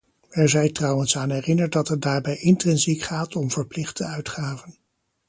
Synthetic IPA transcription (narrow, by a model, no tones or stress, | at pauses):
ɛɹzɛjtrɑwənsaːnɦɛrɪnəɹt̚dɑtɦət̚daːɹbɛjʔɪntrɛnzikχaːtʰɔmv̥əɹplɪχtəœɥtχaːvən